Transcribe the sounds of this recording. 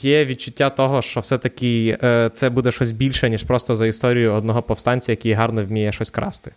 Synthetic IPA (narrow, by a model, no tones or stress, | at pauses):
jɛʋʲid̪̚t͡ʃʊtʲːat̪ɔɦɔʃt͡ʃɔwsɛt̪ɐkʲɪt̪sɛbud̪ɛʃt͡ʃɔsʲbʲilʲʃɛnʲiʃpɾɔst̪ɔzɐist̪ɔɾʲijʊɔd̪nɔɦɔpɔfst̪ɑnʲt͡sʲɐjɐkʲɪjɦɑrnɔwʲmʲijɛʃɔsʲkɾɑ̰st̪ɪ̥